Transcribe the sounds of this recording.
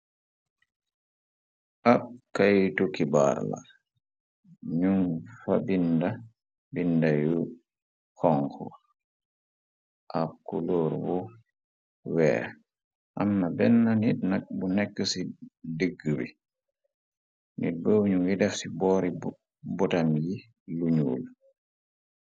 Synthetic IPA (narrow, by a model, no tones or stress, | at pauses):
ʔab̚kajtukiba̰ɾla̰ | ɲuŋfa̰binda | bindaju | xɔŋkɔ̰ | ʔap̚kuloːɾbu | wɛ̰ːɾ | ʔamːabɛnːanit̚nak̚bunɛkːəsidəɡːəbḭ | nḭt̚bəwɲuŋjidɛfsibɔɾi | bɔtamji | luɲuːl